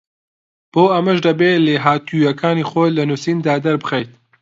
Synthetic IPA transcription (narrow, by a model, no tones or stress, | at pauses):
b̥oːʔɐmɐʒd̪ɐbeːleːɦaːt̪ʰujɐkʰaːniːχoːjlɐnusiːnd̪aːd̪ɐɾbɨxɐjt̪̚